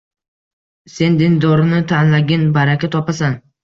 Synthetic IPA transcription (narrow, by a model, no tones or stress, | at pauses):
se̞nd̪ɪnd̪ɒɾɪnɪt̪ʰanlaɡʲɪnbaɾakʲat̪ʰɒpasan